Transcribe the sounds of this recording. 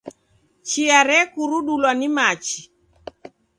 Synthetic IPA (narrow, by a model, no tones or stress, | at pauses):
t͡ʃiaɾɛkuɾuɗulwanimat͡ʃi